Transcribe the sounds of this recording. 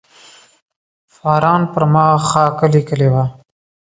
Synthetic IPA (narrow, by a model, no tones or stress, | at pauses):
fɑɾɑnpəɾmɑxɑkəlikəlewa